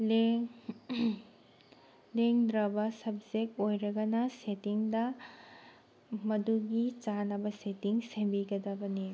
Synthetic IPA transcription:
le | leŋd̪ɾɐbɐsɐbd͡ʒek̚tojɾɐɡɐnɐsetiŋdɐ | mɐduɡit͡ʃanɐbɐsetiŋsembiɡɐdɐbɐni

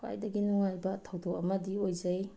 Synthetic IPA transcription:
kʰa̰jdɐɡinuŋajbɐtʰɐwdok̚ɐmɐdiojzɐj

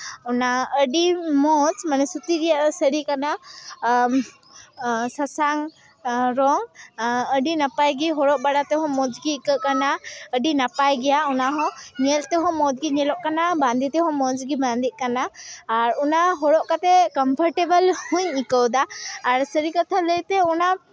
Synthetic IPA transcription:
ɔnaəɖimɔd͡ʒmanɛsut̪iɾijaʔsəɾikana | sasaŋ | ɾɔŋəɖinapajɡiɦɔɽɔʔbaɽat̪ɛɦɔ̃mɔd͡ʒɡiːkəkanaəɖinapajɡɛjaunaɦɔ̃ɲɛlt̪ɛɦɔ̃mɔd͡ʒɡiɲɛlɔʔkanabãnd̪it̪ɛɦɔ̃mɔd͡ʒɡiband̪iʔ̚kanaːɾunaɦɔɽɔʔkat̪ɛkɔmpʰɔɾʈebəlhuɲikəwd̪aːɾsəɾikat̪ʰaləjt̪ɛuna

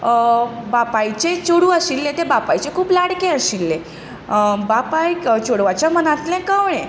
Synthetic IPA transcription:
bapajt͡ɕet͡ɕoɽuːəɕilːẽt̪ebapajt͡ɕekʰuːplaɽkẽəɕilːe | bapajt͡ɕoɽʋat͡ɕjamənat̪lɛ̃kãʋɭẽ

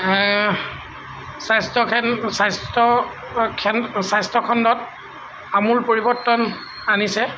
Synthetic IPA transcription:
sajstɔkʰɛnsastɔ | kʰɛnsajstɔkʰɔndɔt | amuɹpoɹibɔɹtːɔn | anisɛ

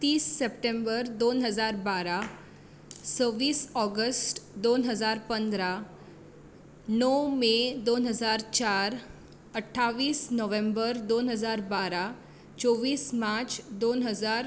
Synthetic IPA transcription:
t̪iːsːepʈẽmbəɾd̪onɦəd͡zaɾbaɾa | səʋiːsɔɡəsʈd̪onɦəd͡zaɾpənd̪ɾa | nɔmed̪onɦəd͡zaɾt͡ɕaɾ | əʈʰːaʋiːsnəʋẽmbəɾd̪onɦəd͡zaɾbaɾa | t͡ɕɔʋiːsmat͡ɕd̪onɦəd͡zaɾ

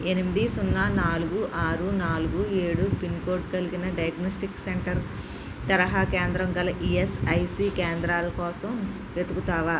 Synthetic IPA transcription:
enimid̪isunːanaːluɡuʔaːɾunaːluɡueːɽupinkoːʈkɐliɡinɐɖɐjɐɡnoːsʈikseɳʈɐɾ | t̪ɐɾɐɦaːkeːnd̪ɾɐŋɡɐlɐʔiesɐjsiːkeːnd̪ɾaːlɐkɔːsɐm | ʋe̞t̪ukut̪aːʋaː

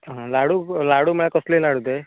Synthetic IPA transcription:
ɦãlaɽulaɽuməɭakɔslelaɽut̪e

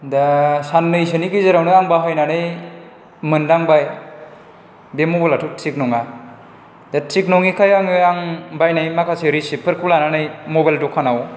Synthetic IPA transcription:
dasanːɯjs̬ɯnikizɯɾawnɯaŋbaɦajnanɯj | mɯndaŋbaj | demobalatʰutʰiknɔŋa | datʰik̚nɔŋikʰajaŋɯaŋbajnɯjmakʰaseɾisipʰɯɾkulananɯjmɔbajldɔkʰːanaw

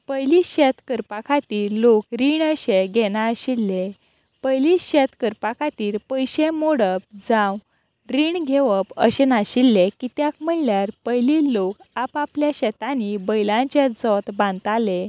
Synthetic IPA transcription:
pəjliɕɛt̪kəɾpakʰat̪iːɾlokɾiɳəɕeɡɛnaəɕilːe | pəjliɕɛt̪kəɾpakʰat̪iːɾpəjɕemoɽəp̚d͡zãw | ɾiːɳɡʱeʋəpə̰ɕenaɕilːekit̪jakm̤əɳljaɾpəjlilokapapljaɕɛt̪anibəjlãɲt͡ɕed͡zɔt̪bãnt̪ale

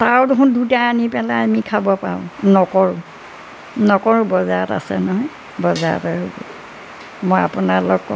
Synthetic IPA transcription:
taɹdʊkundutaanipɛlaamikʰabɔpaɹʊ̰̃nɔkɔɹʊ̃ | nɔkɔɹʊ̃bɔzaata̰sɛnɔɦɔj | bɔza̰tɔɦobɔ̰ | moja̰punalɔkːɔ

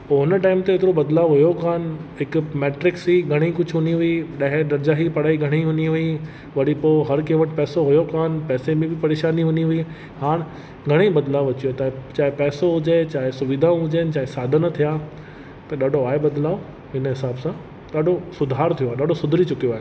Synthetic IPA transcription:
poːɦʊnəʈaːɪmt̪eɪt̪ɪɾobɐd̪laːʋʊɦʊjokaːnɦɪkmeːʈɾɪksiɡʱɐɽ̃ikʊd͡ʑʱɦʊniɦʊiɗɐɦɪ̃ɗ̪ɐɾd͡ʑaːɦipɐɽ̤aːiɡʱɐɽ̃iɦʊniɦʊi | ʋɐɽipoːɦɐɾkẽːʋəʈɪpɛːsoɦʊjokaːənpɛːsemẽbɪpɐɾeːʃaːniɦʊniɦʊi | haːɽ̃ | ɡʱɐɽ̃ĩbɐd̪laːʋʋɐt͡ɕijot̪aːt͡ɕaːɦepɛːsoɦʊd͡ʑet͡ɕaːɦesʊʋɪd̪ʱãɦʊd͡ʑen̆t͡ɕaːɦesaːd̪ʱənt̪ʰijaː | t̪ɐɗaːɖʱoaːɦebɐd̪laːo | ɦɪnɦɪsaːbsã | ɗaːɖʱosʊd̪ʱaːɾt̪ʰijoaːɦɗaːɖʱosʊd̪ʱɾit͡ɕʊkijoaːɦe

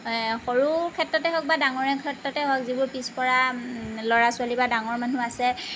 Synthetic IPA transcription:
xoɹukʰɛtɹɔtɛɦɔk̚badaŋɔɹɛkʰɛtɹɔtɛɦɔkzibʊɹpispɔɹalɔɹasʊalibadaŋɔɹmanuasɛ

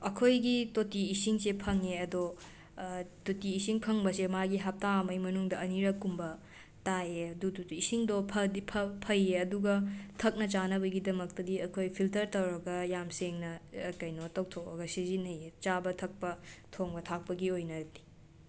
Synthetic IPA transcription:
ɐkʰojɡitotiːsiŋsepʰɐŋeɐdo | totiːsiŋpʰɐŋbɐsemaɡiɦap̚tamɐjmɐnuŋdɐɐniɾɐkːumbɐ | tajeɐdutotiːsiŋdopʰɐdipʰɐpʰɐjeɐduɡɐtʰɐk̚nɐt͡ʃanɐbɐɡidɐmɐk̚tɐdiɐkʰojpʰiltɐɾtɐwɾɐɡɐjamseŋnɐkɐjnotɐwtʰowɾɐɡɐsizinɐjet͡ʃabɐtʰɐk̚pɐtʰoŋbɐtʰak̚pɐɡiojnɐti̥

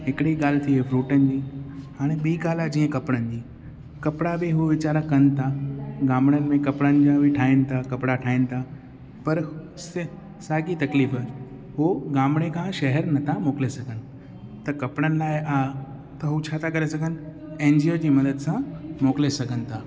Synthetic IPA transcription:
ɦɪkɪɽiɠaːl̤ɪt̪ʰiɦefʰɾuːʈənɪ̆d͡ʑiːhaːɽ̃eɓiːɡaːlad͡ʑiːə̃kɐpɽ̃ənɪ̆d͡ʑiː | kɐpɽabɪɦuʋɪt͡ɕaːɾakɐnɪ̆t̪ʰaɡaːmɽ̃ənɪ̆mẽkɐpɽ̃ənɪ̆d͡ʑãbɪʈʰaːɪnɪ̆t̪ʰakɐpɽaʈʰaːɪnɪ̆t̪ʰa | pɐɾ | s | saːɡit̪ɐkliːfə | ɦuɡaːmɽ̃ekʰãːʃɐɦɛɾnɐt̪ʰamoːklesɐɡʱənɪ̆ | t̪ɐkɐpɽ̃ənɪ̆laːɪʔaː | t̪ɐɦut͡ɕʰaːt̪ʰakɐɾesɐɡʱənɪ̆ | ẽːnd͡ʑiod͡ʑiːmɐd̪əd̪sãmoːkɪlesɐɡʱənɪ̆t̪ʰaː

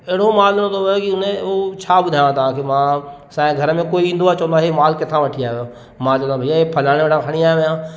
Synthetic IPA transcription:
ɛɽ̤omaːlnõd̪ʰokiʊnẽot͡ɕʰaːbʊd̪ʱaːj̃t̪̬ɐʋ̤ãkʰemã | sãːɡʱɐɾəmẽkoːiĩnd̪uat͡ɕɐ̃ə̃nd̪aːɦemaːlkɪt̪ʰãʋɐʈʰiaːɦejo | mãːt͡ʃə̃d̪abʱɐjaepʰɐlaːɽ̃eeʈʰãkʰəɽ̃iaːẽʋɐjãː

